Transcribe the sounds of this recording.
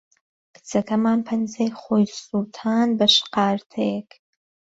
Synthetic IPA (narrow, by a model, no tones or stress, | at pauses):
kʰɨ̥t͡sʰɐkʰɐmaːnpʰɐnzejχoːjsult̪ʰaːnbɐʃqɑːɾt̪ʰejɛkʰ